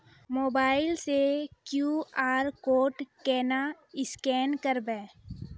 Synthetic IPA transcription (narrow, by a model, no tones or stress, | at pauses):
moːbaːɪlsekjuːaːɾkoːʈkɛːna | ɪskɛːnkəɾbɛː